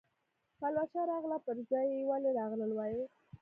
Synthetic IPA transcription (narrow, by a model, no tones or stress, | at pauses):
palwat͡ʃaɾɑɣlapəɾzɑjewaleɾɑɣləlwɑje